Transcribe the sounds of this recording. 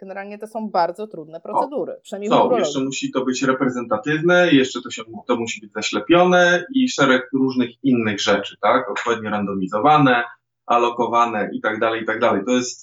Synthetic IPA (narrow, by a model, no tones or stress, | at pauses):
ɡ̥ɛnɛɾalɲɛt̪ɔsɔ̃w̃baɾd̪zɔt̪ɾud̪nɛpɾɔsɛd̪uɾɘ̰pʂɛsɔ̃wjɛʂt͡ʂɛmuɕit̪ɔbɘt͡ɕɾɛpɾɛzɛnt̪at̪ɘvnɛjɛʂt͡ʂɛt̪ɔɕɛmt̪ɔmuɕibɘd͡ʑzaɕlɛpʲjɔnɛiʂɛɾɛkɾuʐnɘxinːɘɣʐɛt͡ʂɘ̥t̪akɔt̪̚pɔvʲjeɛd̪̚ɲɔɾand̪ɔmʲizɔvanɛ | ʔalɔkɔvanɛʔit̪aɡd̪alɛjit̪aɡ̚d̪alɛjt̪ɔjɛst̪